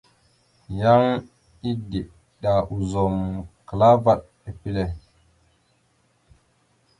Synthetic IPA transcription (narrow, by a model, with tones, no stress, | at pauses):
ja˦ŋ | i˦di˨ʔ | ɗa˨ʔu˨zo˨mkla˦va˨ɗ̚ | e˨pi˦le˦